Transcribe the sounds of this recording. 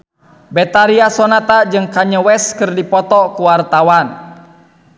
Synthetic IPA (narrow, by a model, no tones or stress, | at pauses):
bɛt̪aɾiasɔnat̪ad͡ʒɨŋkaɲəwɛskɨrdipɔt̪ɔkuwart̪awan